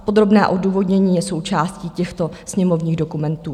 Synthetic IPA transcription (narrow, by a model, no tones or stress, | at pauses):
po̞d̪ɾo̞bnɛːʔo̞duːvo̞dɲɛɲiːjɛso̞wt͡ʃaːsciːcɛxt̪o̞sɲɛmo̞vɲiːɣdo̞kumɛnt̪uː